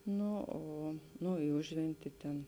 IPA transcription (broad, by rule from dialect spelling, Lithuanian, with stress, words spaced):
ˈnʊ ˈoː ˈnʊ ɪ ˈʊʒʲʋʲɛnʲtʲɪ ˈtʲɛn